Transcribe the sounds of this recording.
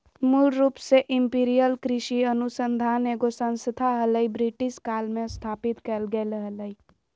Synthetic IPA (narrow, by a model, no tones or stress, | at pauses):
muɽɾuːpseʔɪmpiːɾijəlkɾɪʃiənusənd̪ʱaːneːɡosə̃nsət̪ʰaɦələibɾiʈɪskaːlmẽst̪ʰaːpit̪kɛlɡeləɦələi